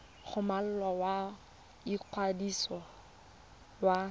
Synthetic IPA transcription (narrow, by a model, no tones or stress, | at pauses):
χʊmal̩lɔwa | iq͡χʰwadisɔ | wa